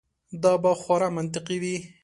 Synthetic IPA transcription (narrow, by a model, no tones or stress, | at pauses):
d̪ɑbaxwɑɾamant̪̬ɪqiwi